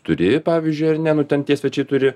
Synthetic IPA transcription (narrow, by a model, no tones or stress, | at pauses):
t̪ʊɾʲɪpɑːʋʲiːzʲd͡ʒʲʊɪɐrnʲɛnʊt̪ʲɛnt̪ʲiɛsʲʋʲɛt͡ʃʲɛɪt̪ʊɾʲɪ